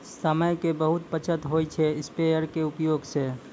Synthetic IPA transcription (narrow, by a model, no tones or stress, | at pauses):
səməjkebəɦʊt̪̚pət͡ʃʰət̪ɦojt͡ʃʰeɪspejəɾkeʊpjoːɡse